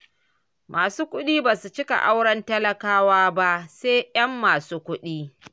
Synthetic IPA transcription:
mʔaː˨suː˦kʷʊ˦ɗiː˦baː˨su˨t͡ʃɪ˦ka̰˨ʔa˦wɽɐ˦ntɐ˦lɐ˨kaː˦waː˦ba˦ʔseː˦jɐ˦mːaː˨suː˦kʷʊ˦ɗiː˦

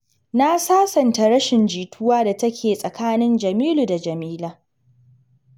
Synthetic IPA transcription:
na˦saː˦sɐ˨nta˨ɽɐ˦ʃɪ˨nd͡ʒiː˨tʰʊ˦waː˦da˨tɐ˦kʲʰeː˨sʼɐ˨kaː˦nɪ˦nd͡ʒɐ˨miː˦luː˨da˨d͡ʒɐ˨miː˦laː˦

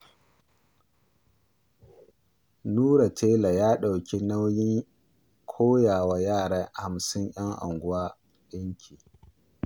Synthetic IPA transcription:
nuː˦ɾa˨tʰeː˦la˨jaː˦ɗa˨wkʲi˦na˦wjɪ˦ŋ | kʷʰoː˦jaː˨wa˦jaː˦˨ɽa˦ha˨msɪ˦ɲʔj̰ɐ˦ŋʔa̰˨ŋɡʷʊ˦waː˦ | jɐ˦ŋkʲʰi˨

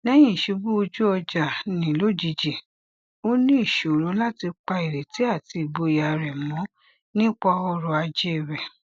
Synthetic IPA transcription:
nɛ̃˦j̃ĩ˦˨ʃe˧˦bu˦o˧d͡ʒu˦ɔ˧d͡ʒa˨nĩ˨˦lo˦˨d͡ʒi˧d͡ʒi˨ | o˦nĩ˦i˦˨ʃo˨ɾu˨˦la˦ti˧k͡pa˧i˨ɾe˨ti˨˦a˦˨ti˧i˨bo˧˨ja˨ɾɛ˨mɔ̃˨˦ | nĩ˦k͡pɔ˧ɔ˦ɾɔ˧a˧d͡ʒe˦˨ɾɛ˨

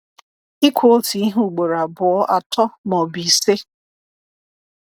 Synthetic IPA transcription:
i˦kʷo˦lti˨i˦ɦu˦˨ɡ͡bo˨ɾa˨bʊ˨ɔ˦ʔa˨tɔ˦nɔ˨bi˨se˦

